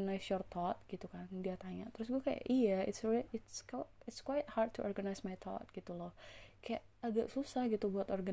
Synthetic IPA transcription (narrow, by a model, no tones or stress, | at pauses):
najsjɔrt̪ʰɔt̪̚ɡ̥it̪ukandiat̪aɲa̰ʔt̪əɾʊs̬ɡuakaja̰ʔijaɪ̰t̪sɹiɪt̪skɪtskwajt̪̚had̪̚t̪ʰuʔɔ̰rɡanajsmajt̪ʰɔ̰t̪̚ɡ̥it̪ulɔhkaja̰ʔ | aɡa̰ʔsusahɡit̪ubuat̪ɔrɡa